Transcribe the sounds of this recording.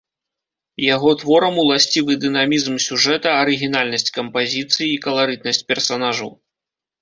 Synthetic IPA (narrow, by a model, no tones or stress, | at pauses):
jaɣɔt̪vɔɾɐmulˠasʲt͡sʲivɨd̪ɨnamʲizmsʲuʐɛt̪ɐɐɾɨɣʲinalʲnɐsʲt͡sʲkɐmpazʲit̪sɨjiːkɐlˠaɾɨd̪̚nɐsʲt͡sʲpʲɛrsanaʐɐw